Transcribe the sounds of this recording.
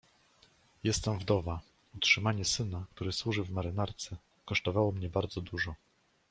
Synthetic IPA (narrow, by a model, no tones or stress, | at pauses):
jɛst̪ɛmvd̪ɔva | utʂɘmaɲɛsɘnak̚t̪uɾɘswuʐɘvmaɾɘnaɾt̪sɛ | kɔʂt̪ɔvawɔmɲɛbaɾd̪zɔd̪uʐɔ